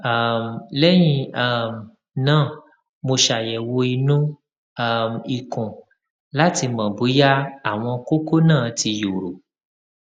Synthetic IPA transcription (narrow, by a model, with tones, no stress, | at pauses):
a˦˨m˨lɛ˦j̃ĩ˧˦˨m˨ | nãː˦˨ | mo˧ʃa˨jɛ˨wo˧i˧nũ˦˨ | m˨i˨kũ˨ | la˦ti˧mã˨bu˨˦ja˦a˦˨w̃ɔ̃˧ko˦ko˦nãː˦˨ti˧jo˨ɾo˨